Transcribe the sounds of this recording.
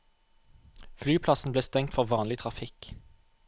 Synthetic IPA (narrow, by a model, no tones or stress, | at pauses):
flyːpʰlɑsn̩bleːst̪ɛŋt̪fɔʁʋɑːnlɪt̪ʰʁɑfɪk